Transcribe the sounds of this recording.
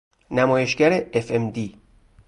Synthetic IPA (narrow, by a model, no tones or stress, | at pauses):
næmɒːje̞ʃɡæɾeefemd̪iː